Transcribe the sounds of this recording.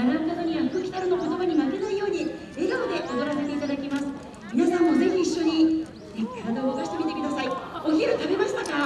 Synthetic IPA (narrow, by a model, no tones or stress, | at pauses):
anaɯkazoɲ̟iakɯkʲi̥t̪aɾɯno̞ko̞t̪o̞baɲ̟imake̞naijo̞ːɲ̟i | e̞ɡaod̪e̞ʔod̪o̞ɾase̞t̪e̞it̪ad̪akʲimasɨ̥ | mʲinasãmːo̞ze̞çʲiːɕːo̞ɲ̟i | zeçi̥kaɾad̪aookaɕi̥t̪e̞mʲit̪e̞kɯ̟d̪asaio̞kʲiɾɯt̪abe̞maɕi̥t̪aka